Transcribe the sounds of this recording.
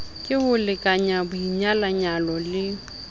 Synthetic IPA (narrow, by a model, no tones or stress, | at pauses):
kʼɪhʊlɪkʼaɲabʊiɲalaɲalɔlɪ